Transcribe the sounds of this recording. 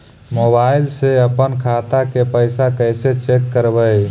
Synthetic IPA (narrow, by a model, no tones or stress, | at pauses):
mobaɪlseəpənkʰat̪akepəɪsakəjset͡ʃekːəɾbəj